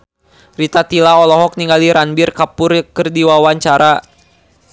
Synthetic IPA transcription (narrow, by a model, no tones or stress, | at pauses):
rit̪at̪ilaɔlɔɦɔk̚niŋaliɾanbirkapʊrkərdiwawaɲt͡ʃaɾa